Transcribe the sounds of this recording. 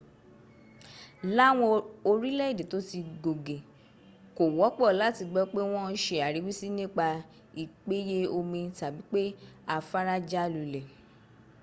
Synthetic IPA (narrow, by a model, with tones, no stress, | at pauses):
la˦w̃ɔ̃˧o˧ɾi˦lɛ˦i˦˨de˨to˨˦ti˧ɡo˨ɡe˨ | ko˨wɔ˨˦k͡pɔ˦˨la˨˦˨ti˧ɡ͡bɛ˦k͡pe˦w̃ɔ̃˦ʃe˧a˨ɾi˨˦wi˦si˦nĩ˦k͡pa˧ | i˨k͡pe˨˦je˦o˧mĩ˧ta˨bi˨˦k͡pe˦a˧fa˦ɾa˦d͡ʒa˦˨lu˨˧˨lɛ˨